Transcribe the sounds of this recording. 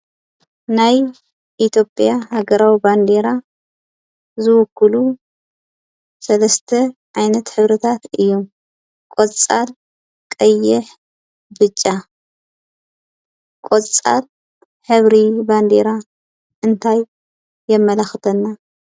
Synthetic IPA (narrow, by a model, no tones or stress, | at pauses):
naj | ʔit̪ʰjo̞pʼjahaɡɐɾawiband̪eɾa | zɨwɔkʰːɨlu | sɐlɐst̪ʰɐʔajnɐt̪ħɨβɾɨt̪ʰat̪ɨjːum | kʼot͡sʼal | kʼɐjːɪħ | bɨt͡ʃʼːa | kʼot͡sʼa̰l | ħɨβɾiband̪eɾa | ʔɨnt̪ʰajː | ɛmːɐlɐxt̪ʰɐnːa